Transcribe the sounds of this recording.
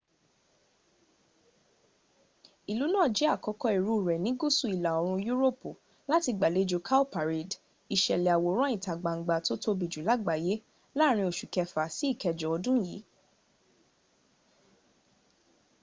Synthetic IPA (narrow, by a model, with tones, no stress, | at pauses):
i˨lu˨˦nãː˦˨d͡ʒi˨˦a˦˨kɔ˧˦kɔ˧i˨ɾu˨˦˨ɾɛ˨nĩ˨˦ɡu˦su˦˨i˨la˨o˨˧ɾ̃ũ˧ju˦ɾo˦po˨ | la˦ti˧ɡ͡ba˨le˨˦d͡ʒo˧kʰa˦pa˨ɾi˨d | i˨ʃɛ˨lɛ˨a˨wo˨˦ɾ̃ɔ̃˦ĩ˨ta˨ɡ͡ba˨ŋ̩˨ɡ͡ba˨to˦to˦˧bi˨d͡ʒu˨la˨˦ɡ͡ba˨je˨˦ | la˦˨ɾ̃ĩ˧o˨ʃu˨kɛ˧fa˨si˨˦i˦˨kɛ˨d͡ʒɔ˨ɔ˧dũ˦˨jḭ˨˦